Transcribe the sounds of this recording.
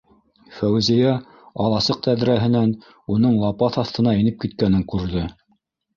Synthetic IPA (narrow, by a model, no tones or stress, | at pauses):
fæwzijæ | ɑlˠɑsɤq̚t̪æðɾæɦɘ̆næn | unɤɴlˠɑpɑθɑθt̪ɤ̆nɑinɘp̚kit̪kænɘŋkʉɾðɤ